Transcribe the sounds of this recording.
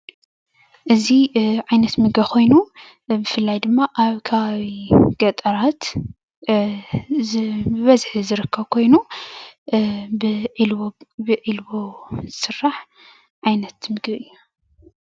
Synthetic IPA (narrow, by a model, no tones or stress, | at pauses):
ʔɨziʕajnɐt̪mɨɡbɐkʰo̞jnu | bɨfɨlːajd̪ɨmːaʔaβkʰɐβaβiɡ̥ɐt̪ʼɐɾat̪ | bɨβɐzħɨzɨɾɨkʰːɐβkʰo̞jnu | b | bɨʔilbozɨsɨrːaħ | ʕajnɐt̪mɨɡβɨjːu